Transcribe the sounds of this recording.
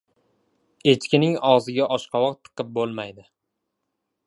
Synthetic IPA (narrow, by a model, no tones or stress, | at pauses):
e̞t͡ʃkʲɪnɪŋɒʁzɪɡʲaʔɒʃqʰɑwɒq̚t̪ʰːɨ̥qɨp̚bolˠmajd̪ɪ